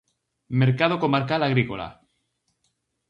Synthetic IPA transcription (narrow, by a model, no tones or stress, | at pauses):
meɾkað̞okomaɾkalaɣɾikola̰